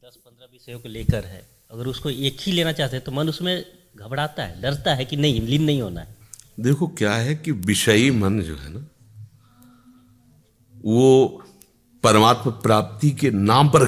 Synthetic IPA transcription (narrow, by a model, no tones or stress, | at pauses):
d̪ɐspɐ̃nd̪ɾaʋɪʃəjõkoleːkəɾɦɛ̰ː | ɐɡəɾʊskoeːkhileːnat͡ʃaːɦt̪eɦɛt̪omɐnʊsmẽ | ɡʱɐbɽaːt̪aɦɛ̰ɖɐɾt̪aɦɛkinɐɦĩlinːɐɦĩɦoːna̰ɦɛːd̪eːkʰokjaːɦɛkiʋɪʃəimɐnd͡ʒo̰ːɦɛ̰ːna | ʋo | pɐɾəmaːt̪məpɾaːp̚t̪ikenaːmpɐɾ